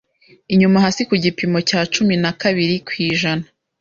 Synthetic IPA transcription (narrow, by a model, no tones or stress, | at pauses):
iɲumaɦasikuɟipimo̞caːt͡ʃuminakaβiɾikwiːʒanḁ